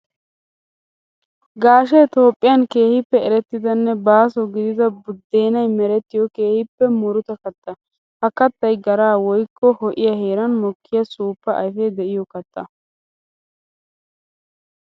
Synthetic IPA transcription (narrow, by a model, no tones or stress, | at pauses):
ɡaːʃ̬ɛt̪o̞ːpʼːɪjɐnke̞ːhɪpːɛɛɾɛt̪ːɪd̪ɐnːɛbaːsɔɡɪd̪ɪd̪ɐbʊd̪ːe̞ːnɐjmɛɾɛt̪ːɪjɔke̞ːhɪpːɛmʊɾʊt̪ɐkɐt̪ːɐ | hɐkɐt̪ːɐjɡɐɾaːwɔjkːɔhɔʔɪjɐhe̞ːɾɐnmɔkːɪjɐsuːpːɐʔɐ̰jfɛd̪ɛʔɪjɔkɐt̪ʼːɐ